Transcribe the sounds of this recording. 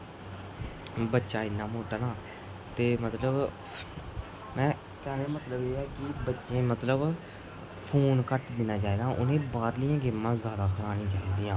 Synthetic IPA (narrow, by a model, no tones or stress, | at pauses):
bətːʃãːɪnːãːmoːʈanãː | t̪eːmət̪ləb | mɛ̃ː | kɛːnamət̪ləbeːɛːkɪbətːʃẽːmət̪ləb | pʰoːnkəʈd̪ɪnaːt͡ʃaːeːd̪ãːʔʊnẽːbaːɾlɪjãːɡɪmːãːzjaːd̪aːkʰəɾaːɽ̃ĩːt͡ʃaːiːd̪iːãː